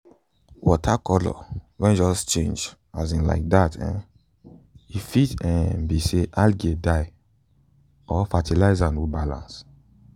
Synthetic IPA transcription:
wɔtʰakɔlɔ̰wɛ̃nd͡ʒɔst͡ʃḛ̃nd͡ʒ | azĩnla̰ɪk̚datɛ̰̃ | ifitɛ̃biseʔalɡedaɪ | ɔfatʰilaɪzãnwubalã̰ns

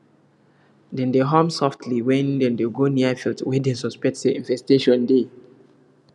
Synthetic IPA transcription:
dɛ̃ndeɦɔmsɔftʰliwɛ̃ndɛ̃ndeɡoniafiltwɛdɛ̃nsɔspɛk̚teĩnvɛsteʃɔ̃nde

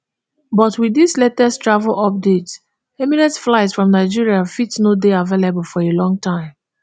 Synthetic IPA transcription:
bɔtwiðislɛtəstɹavəl̩ʔɔp̚dets | ɛminɛ̃ntflaɪtsfɹɔ̃mnaɪd͡ʒiɹiafitnodeavelebəlˠfɔɹelɔ̃ŋtʰãɪ̃m

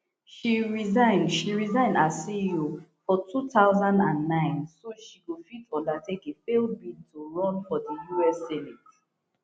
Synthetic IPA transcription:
ʃiɹizãɪ̃nʃiɹizãɪ̃ndasiufɔtutaʊzãndãnːãɪ̃nsoʃikufitɔ̃ndatʰekefelbidtʰːuɹɔ̃nfɔðəjuɛsɛnit

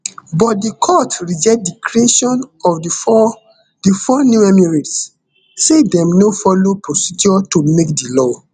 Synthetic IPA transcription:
bɔt̚dikʰɔtɹid͡ʒɛt̚dikʰɹeʃɔ̃nɔf | difɔnjuɛmiɹits | sedɛ̃mnofɔlopɹosid͡ʒɔtomekdilɔ

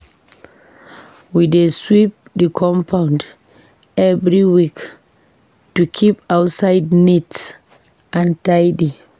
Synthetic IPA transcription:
wideswip̚dikʰɔ̃mpʰawnd | ʔɛvɾiwik | tukʰipawtsajdnits | ʔãntajdi

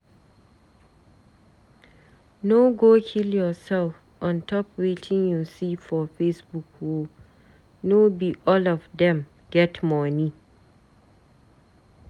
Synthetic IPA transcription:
noɡoːkʰiljɔsɛlf | ʔɔ̃ntʰɔpwetʰɪ̃ŋjusifɔfesbukʰwo | nobiʔɔlɔvdɛ̃m | ɡ̥ɛtʰmɔni

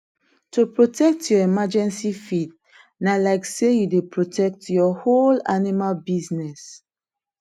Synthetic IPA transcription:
tʰupɹotʰɛk̚tʰjɔimad͡ʒɛ̃nsifid̚ | nalaɪksejudepɹotʰɛk̚tjɔholanimalbiznɛs

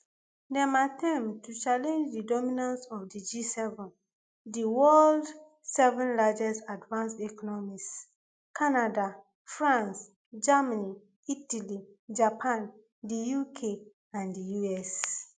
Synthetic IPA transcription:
dɛ̃matʰɛ̃mtut͡ʃalɛ̃nd͡ʒdidɔminãnsɔfdid͡ʒisɛvɔ̃n | diwɔld | sɛvɔ̃nlad͡ʒɛsadvãnstɛkɔnɔmis | kanada | fɹãns | d͡ʒamani | italid͡ʒapʰãn | dijukʰe | ãndijuɛs

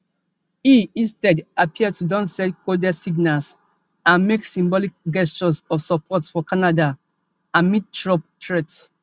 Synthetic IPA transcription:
iĩstɛdapiətudãnsɛtkʰodasiɡnals | ãnmeksĩmbɔlik̚ɡɛst͡ʃɔsɔfsɔpʰɔtfɔkʰanada | ãnmit̚tɹɔp̚tɹɛts

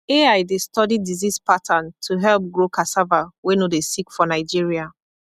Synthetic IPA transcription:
eaɪdestɔdidizispʰatʰãntʰuɦɛlp̚ɡɹokʰasavawenodesikfɔnaɪd͡ʒiɹia

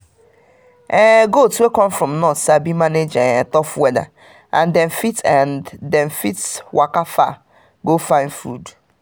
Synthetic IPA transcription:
ɛɡotwekɔ̃mfɾɔ̃mnɔtsabimaned͡ʒatɔfwɛda̰ | ã̰ndɛ̃nfitanddɛ̃nfitwakafa̰ | ɡofaɪ̃nfṵd

